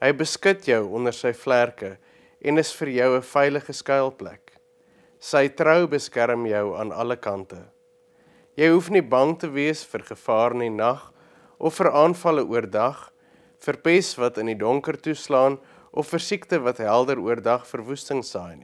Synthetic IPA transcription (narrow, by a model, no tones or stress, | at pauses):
ɦəjbəskətʰjœwɔndərsəjflærkə | ʔɛnəsfərjœwəfɛjləχəskɐjlˠplæ̰k | səjtrəwbəskæɾəmjœwɑ̰ːnɐ̰ləkɐntə | jəjɦufnibɐŋtəviəsfərχəfɑːrninɐχ | ʔɔfːəɾɑːnfɐləʔuərdɐχ | fərpɛsvɐtəndidɔŋkərtuslɑːn | ʔɔfːərsiktəvɐtɦælˠdəɾuərdɐχfərvustəŋsɛjn